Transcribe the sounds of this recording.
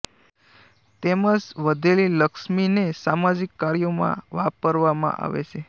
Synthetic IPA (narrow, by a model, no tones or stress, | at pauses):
t̪eməd͡ʒʋəd̪ʱeliləkʃminesamad͡ʒikːaɾjomã̰ʋapəɾʋamã̰ʔa̰ʋḛt͡ʃʰe